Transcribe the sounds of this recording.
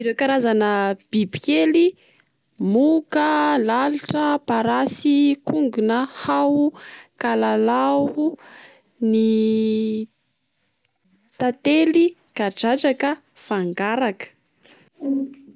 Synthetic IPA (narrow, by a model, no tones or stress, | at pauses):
iɾewkaɾazanəb̥ibikeli | mukəlaluʈ͡ʂəpaɾasikuŋɡunəhawukalalau | ni | t̪at̪elikaʈ͡ʂaʈ͡ʂakə | faŋɡaɾakə̥